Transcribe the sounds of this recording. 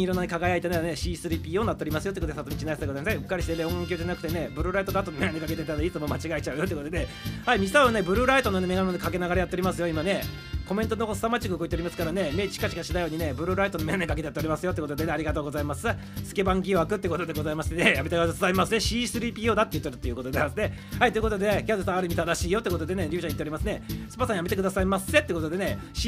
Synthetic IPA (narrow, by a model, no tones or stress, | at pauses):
iɾonːane̞kaɡajait̪enaɾne̞ɕiːsɨɾiːpʲiːoːnat̪ːeɾʲimasɨjot̪ekot̪desat̪omit͡ɕinaisd̪eɡzaimasaihɯ̥kːaɾʲiɕi̥t̪ed̪eõŋk̬ʲjo̞ːd͡ʑanakɯ̟t̪ene̞bɯ̟ɾɯ̟ɾait̪o̞ɡat̪ːonmeɡanekaket̪et̪ːad̪ait͡sɨmo̞mat͡ɕiɡait͡ɕaɯ̟jo̞t̪ekot̪d̪e̞ | haimʲisaane̞bɯ̟ɾɯ̟ɾait̪o̞nonemeɡanonekak̬e̞naɡaɾajat̪ːeoɾʲimasɨjo̞imane̞ | ko̞mẽnt̪onoɡosɨ̥t̪amat͡ɕikɯkɯit̪eoɾʲimasɨ̥kaɾane̞me̞ːt͡ɕi̥kat͡ɕi̥kaɕid̪ajo̞ːɲ̟ine̞bɯ̟ɾɯ̟ɾait̪o̞nome̞namekakeejat̪ːeoɾʲimasɨjot̪ek̪o̞d̪e̞neaɾʲiɡat̪oːɡo̞zaimasɨ | sɨ̥ke̞bãŋɡʲiβakɯ̟t̪ːeiɯ̟kot̪o̞d̪e̞ɡo̞zaimaɕi̥t̪enejame̞t̪aksaimasɨne̞ɕiːsɨɾiːpʲiːoːd̪at̪ːejɯ̟t̪ːeɾɯ̟t̪ːojɯ̟ko̞t̪od̪easne̞ | hait̪o̞jɯ̟ko̞t̪o̞d̪e̞nekʲead̪esãaɾɯ̟mʲit̪ad̪aɕiːjot̪eikot̪od̪e̞neɾʲɨɯɕaɲit̪ːeoɾʲimasɨnesɨ̥pasãjamet̪ekɯ̟d̪asaimasɨe̞t̪eiɯ̟ko̞t̪o̞d̪e̞ne̞ɕ